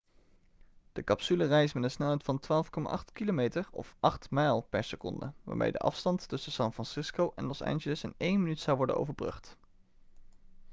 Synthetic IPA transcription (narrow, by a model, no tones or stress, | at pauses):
d̥əkɑpsylərɛjsmɛnəsnatfɑntʋaːlˠfkɔma̰ːʔɑχtkilomejtəɹɔ̰fʔɑχtmɛjlˠpɛɹsəkɔ̰ndə̰ʋa̰ːmḛjdə̰ʔɑ̰fstɑntːɵsəsɑnfrɑnsɪskowʔɛ̰nlɔsa̰ːnʒələsɪnejnmənytsɑwʋɔɹdə̰no̰wvəɹbrɵ̰χt